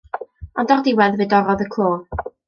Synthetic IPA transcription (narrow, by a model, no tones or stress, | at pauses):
ɔndɔrdɪwɛðvɨːdɔɾɔðəkʰl̥ˠoː